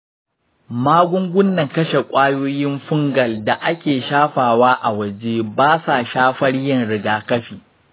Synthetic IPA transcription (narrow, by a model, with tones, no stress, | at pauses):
maː˦ɡʷʊ˦ŋɡʷʊ˦nːɐ˨ŋkɐ˦ʃe˨kʷʼaː˦joː˦jɪ˦mɸʊ˦ŋɡɐ˨lda˨ʔa˦kʲeː˨ʃaː˦ɸaː˨waː˦ʔa˨wɐ˨d͡ʒeː˦baː˦sa˨ʃaː˦ɸɐ˦ɽjɪ˦˨nɽɪ˨ɡaː˨kɐ˦ɸiː˨